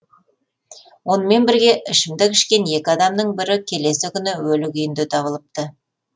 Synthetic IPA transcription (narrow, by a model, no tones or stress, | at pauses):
wo̞nəme̞nbɪɾɡʲe̞ʔɪʃɪmd̪ɪkʲʰɪʃkʲe̞nje̞kʲɪɑd̪ɑmd̪əɴbɪɾɪkʲʰe̞le̞sɪkʲʰʏnɪwɵlɪkʲʏjɪnd̪ɪt̪ʰɑβəlˠəp̚t̪ə